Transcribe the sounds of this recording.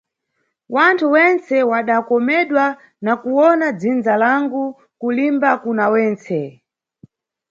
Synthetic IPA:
wantʰuwɛnt͡sɛwaɗakɔmɛɗwa | nakuwɔnad͡zind͡zalaŋɡu | kulimbakunawɛːnt͡sɛ

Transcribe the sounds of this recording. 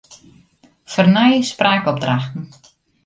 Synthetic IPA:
fərnajspraːkɔb̚draxtn̩

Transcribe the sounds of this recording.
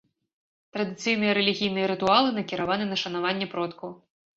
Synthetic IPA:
t̪ɾɐd̪ɨt̪sɨjnɨjɐɾɛlʲiɣʲijnɨjɐɾɨt̪ualˠɨnɐkʲiɾavanɨnɐʂɐn̪avanʲːɛpɾɔt̪ku

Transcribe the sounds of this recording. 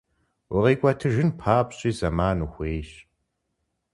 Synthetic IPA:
wɔʁiːkʷʼɐtʰɨʒɨnpʰaːpɕʼiːzɐmaːnuːxʷeːʃ

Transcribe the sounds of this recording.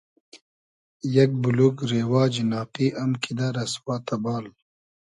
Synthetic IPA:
jɐk̚bulukɾeːwaːd͡ʒinaːqiʔɐmkid̪aɾɐswaːt̪abaːl

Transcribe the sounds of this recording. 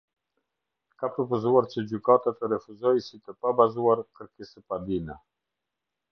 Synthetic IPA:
kapɾɔpɔzuaɾt͡ʃəd͡ʑykat̪at̪əɾɛfuzɔjsit̪əpabazuaɾkəɾkisəpad̪inɛ

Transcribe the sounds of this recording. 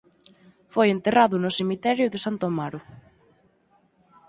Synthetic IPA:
fojent̪eraðʊnʊsemit̪ɛɾjʊðɪsant̪omaɾʊ

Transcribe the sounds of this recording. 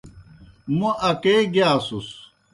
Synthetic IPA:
muʔɐkeːɡjaːsus

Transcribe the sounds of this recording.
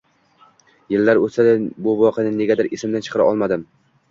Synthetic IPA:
jɪlːaɾosad̪abʊvɒqʰijanɪne̞ɡʲad̪ɪɾʔɪsɪmd̪ant͡ʃʰɨ̥qɨɾa̰ɒlˠmad̪ɪm

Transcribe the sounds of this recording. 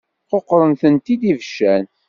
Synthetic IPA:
qoqːɾˤənθənt̪id̪ivəʃːæn

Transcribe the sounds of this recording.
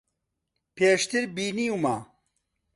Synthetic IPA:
peːʂt̪iɾbiːniuma

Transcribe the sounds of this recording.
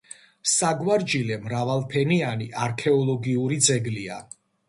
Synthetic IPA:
saɡwaɾd͡ʒilɛmɾavalˠpʰɛnianiʔaɾkʰɛɔlˠɔɡiuɾid̪zɛɡlia̰

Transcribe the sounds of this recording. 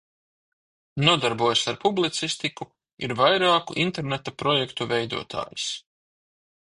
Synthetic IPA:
nuɔd̪aɾbuɔjsaɾpublˠit̪sist̪iku | ḭɾvajɾaːkuʔint̪ɛɾnet̪apɾɔjɛkt̪uvɛjd̪ṵɔt̪ʰa̰ːjis

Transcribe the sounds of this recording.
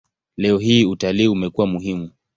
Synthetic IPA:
lɛɔɦiutaliːumɛkuwamuɦimu

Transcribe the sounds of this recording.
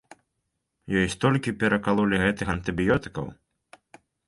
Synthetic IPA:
jɔjst̪ɔlʲkʲipʲɛɾɐkalˠulʲiɣɛt̪ɨxɐnt̪ɨbʲijɔt̪ɨ̥kɐ̰w

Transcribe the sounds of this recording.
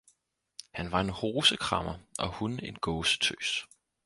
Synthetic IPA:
hænʋɑ̈e̝nho̝ːsəkʰʁɑ̈mɐʔɒ̽hune̝nɡ̥ɔ̽ːsə̥t͡sʰø̰ːs

